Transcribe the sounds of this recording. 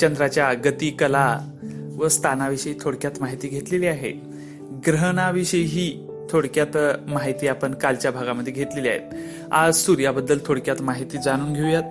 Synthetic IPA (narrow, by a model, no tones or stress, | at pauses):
t͡ɕənd̪ɾat͡ɕjaɡət̪iːkəla | ʋəst̪ʰanaʋiɕəjiːt̪ʰoɽkjat̪maɦit̪iːɡʱet̪leliːaɦḛ | ɡɾəɦɳaʋiɕəjɦiː | t̪ʰoɽkjat̪maɦit̪iːapəɳkalt͡ɕjabʱaɡaməd̪ʱjeɡʱet̪lelia̰ɦḛt̪ | a̰d͡zsuɾjabəd̪ːəlt̪ʰoɽkjat̪maɦit̪iːd͡zaɽ̃uːnɡʱewjat̪̚